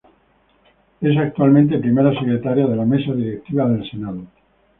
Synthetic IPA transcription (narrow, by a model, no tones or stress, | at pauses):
e̞s̬ak̚t̪ualmẽnt̪̬epɾimeɾasekɾet̪aɾjaðe̞lame̞saðiɾek̚t̪iβ̞aðe̞lsenaðo